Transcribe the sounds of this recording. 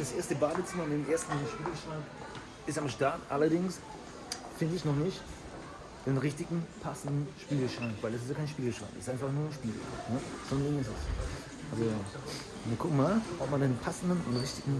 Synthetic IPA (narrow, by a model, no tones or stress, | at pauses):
d̥asʔeːɐstəbaːdət͡sɪmɐɪndeːmʔeːɐstn̩inʃpiːləʃʁaŋk | ʔɪstamʃtaɐtʔa̰lɐdɪŋs | fɪndəɪçnɔχnɪçt | d̥eːnʁɪçtɪɡŋ̩pʰasn̩dn̩ʃpiːləʃʁ̥aŋkvaɪlɛs̬ɪsjakʰaɪnʃpiːləʃʁ̥a̰ɪŋksɪstʔaɪnfaχnuːɐʃpiːlə̰̥a̰ŋnəz̥ɔnnɪɡŋ̩vɛsɪs | ʔalzo | viːɐkʰʊkŋ̩maːlɔpmandeːnpʰasn̩dn̩ʊ̰ntʁɪçtɪɡŋ̩